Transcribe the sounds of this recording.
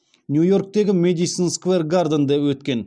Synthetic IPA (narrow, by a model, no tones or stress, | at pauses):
njujork̚t̪eɡʲɪmed̪it̪sinskverɡard̪ənd̪epwɵt̪̚kʲe̞n